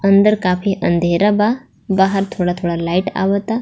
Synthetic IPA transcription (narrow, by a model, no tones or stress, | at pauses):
ənd̪əɾkafiːʔənd̪ʱeɾaba | baɦəɾt̪ʰoɽat̪ʰoɽalaiʈa̰ʋət̪a